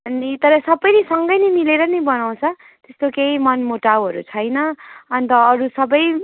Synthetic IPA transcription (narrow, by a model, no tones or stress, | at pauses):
ʌnit̪ʌɾʌsʌbʌjnesʌŋɡʌjnʌmileɾʌnʌbʌnaw̃t͡sʰʌ | t̪est̪okeimʌnmoʈawɦʌɾṵt͡sʰʌjnʌʌnt̪ʌːɾusʌbʌj